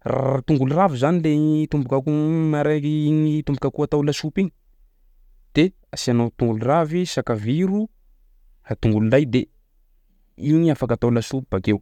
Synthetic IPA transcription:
ra̰t̪uŋɡuluravizanilet̪umbukakumaɾekiiɲit̪umbukakuat̪awlasupiɲi | d̪̥e | asianot̪uŋɡulravisakaviɾu | hat̪uŋɡululajd̪e | iɲiafakat̪awlasupibakew

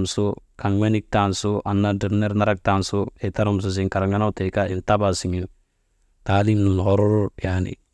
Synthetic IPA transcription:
msokaŋwenik̚tansoʔanːadiɾneɾnaɾak̚tansoetaɾums̬us̬iŋkaɾaŋɡanawtekailtabasiŋin | taːlimnunhɔɾoɾopanḭ

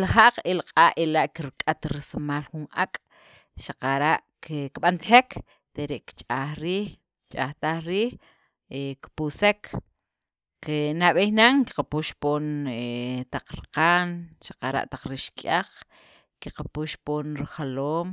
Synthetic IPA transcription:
laχaʔqelaqʼaːʔʔelaʔkiɾkʼat̪ɾisamaːlχunʔakʼ | ʃaqaɾaʔ | kkɓant̪xekʰ | t̪eɾeʔkt͡ʃʼaːχɾiːx | t͡ʃʼaht̪aχɾiːx | ekpusekʰ | kenaɓehnaŋki̥qapuʃpoːnet̪aq͡χɾiqaːnʃḁqaɾa̰ʔt̪aq͡χɾiʃkʼaq | kiqapuʃpoːnɾiχaloːm

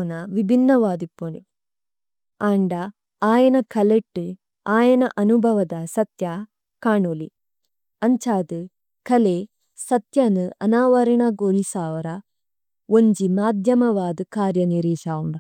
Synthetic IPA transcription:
nɐʋibʱinːɐʋaːd̪ipːoni | aːɳɖɐ | aːjɐnɐkʰɐleʈːɨ | aːjɐnɐʔɐnubʱɐʋɐd̪asɐt̪ja | kaːɳoːli | ɐɲt͡ɕaːd̪ɨ | kɐle | sɐt̪jɐnɨɐnaːʋɐɾiɳaɡoːɾisaːʋɐɾɐ | oɲd͡ʑimaːd̪ʱjɐmɐʋaːd̪ɨkaːɾjɐniɾiːʂaːuɳɖɐ

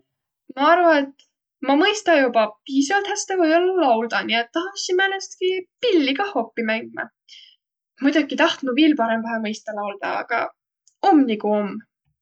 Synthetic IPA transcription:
mɑɑrvɑet̪ːˑ | mɑmɤjst̪ɑjupɑpiːsɑvɑlt̪hæst̪ɑkuejolːlɑwld̪̥ɑniet̪ːɑɦɑsinmænːest̪kipilːiɡɑho̞pːimæŋɡ̥imɑ̰ | mujd̪̥ɑɡit̪ɑht̪muviːlpɑɾemvɑɦɑmɤjst̪ɑlɑwld̪̥ɑ̰ɑ̰ɡ̥ɑ̰ | omːnikuo̞mː

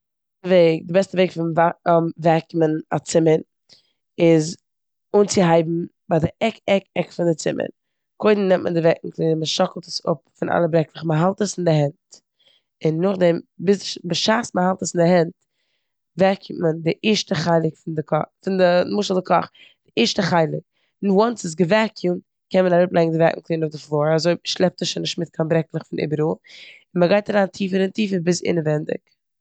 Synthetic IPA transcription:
əveɪk̚dɪbɛstəveɪkfɪnvamvɛkməna̰t͡sɪmən | ɪz | unt͡sɪɦaɪbm̩ | baɪdɪʔɛkɛkɛkfɪndɪt͡sɪmʔə̰n | kʰoɪdn̩nɛmtmə̰ndɪvɛkŋ̩klˠiːnəməʃɔkl̩ˠtə̥sʊ̰p̚fɪnʔa̰lˠəbɾɛkləχməɦalˠtəsɪndɪɦɛnt | ɪnːʊχdɛmbɪsʃbɪʃaːsməhalˠtəsɪndɪɦɛnt | vɛɾkʰiməndɪʔɪːʃtəχaɪlˠɪkfɪndɪkʰɔfɪndəmʊʃl̩ˠdɪkʰɔ̰χ | d̥ɪʔiːɾʃtəχaɪlˠɪk̚ | nwɔnsɪs̬ɡəvɛɾkʰimt | kɛnmənaɾʊplˠɛɪɡŋ̩dɪvɛkŋ̩klˠiːnʊfdɪflˠoːɾazoɪʃlˠɛp̚təsʃɔnɪʃtmɪt̚kʰanbɾɛklˠəχfɪnʔɪ̰ːbəɾuː | ɪnməɡaɪtaɾaːntʰiːfəɾɪntiːfəɾbɪsɪ̰nəvɛndɪ̰k

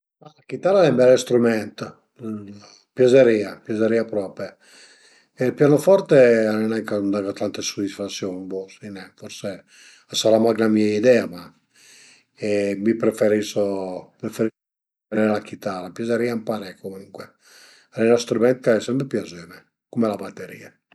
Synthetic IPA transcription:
malakit̪aɾalɛmbɛɾɛst̪ɾumɛnt̪ | pjazeɾiːapjazeɾiːapɾɔpe | elpjanofɔɾt̪eanenakand̪aɡat̪ant̪esod̪isfat̪sːjonbosinɛfɔɾse | asaɾamaɡnamiaid̪ɛːama | ɛmipɾefeɾisopɾefeɾi | ɛɾɛɾlakit̪arapjazeɾiːampaɾɛkomuŋkwe | ɾɛnɔst̪ɾumɛnt̪̚kaɛsɛmpɾepjazømɛ | kumelabat̪ːeɾḭːa

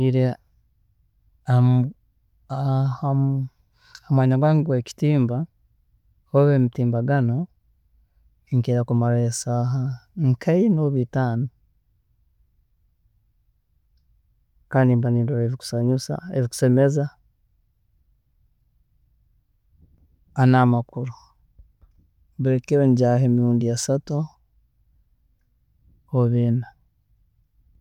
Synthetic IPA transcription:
iɾe | a | aha | amwaːɲaɡwaːŋiɡweːci̥tiːmba | hoβeːmitiːmbaɡano̞ | ŋkeɾakumaɾaesaːɦaŋkʰainoβitaːno | kaːndimbaniːndoɾeβiku̥saɲusa̰eβiku̥semeza | anamakuɾu | mbuɾekiɾeɲɟaheːmiɾuːndiasatu | oβina

